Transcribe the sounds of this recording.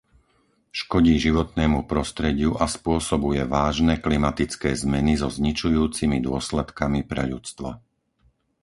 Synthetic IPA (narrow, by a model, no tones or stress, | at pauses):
ʃkɔɟiːʒiʋɔt̪nɛːmupɾɔst̪ɾɛɟɪuʔaspʊɔsɔbujɛʋaːʒnɛklimat̪it͡skɛːzmɛnizɔzɲit͡ʃujuːt͡simid̪ʊɔslɛt̪kamipɾɛ̰ʎut͡st̪ʋa̰